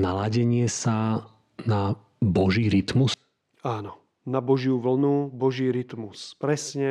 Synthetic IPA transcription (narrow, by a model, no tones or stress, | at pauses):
nalaɟɛɲɪɛsa | na | bɔʒiːɾit̪mus | aːnɔ | nabɔʒɪuʋl̩nubɔʒiːɾit̪muspɾɛsɲɛ